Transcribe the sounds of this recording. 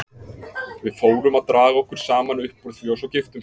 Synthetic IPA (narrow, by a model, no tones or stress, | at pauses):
vɪðfoːwɾʏmaðt̪ɾaːɣaɔhkʏɾ̥saːmanʏhpːɔɾθiɔsɔwcɪft̪ʏm